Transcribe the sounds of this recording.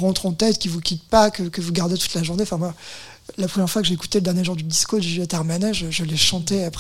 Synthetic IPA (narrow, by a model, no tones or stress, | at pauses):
ʁɑ̃t̪χɑ̃t̪ɛt̪kʲivukʲit̪̚pakəkəvuɡaʁd̪et̪u̥t̪laʒuʁneɑ̃fɛ̃mwa | lapχəmjɛʁfwakəʒeːku̥t̪eləd̪ɛʁnjeʒuʁd̪yd̪iskod̪yʒat̪aʁmanɛʒəʒəlɛʃɑ̃t̪eap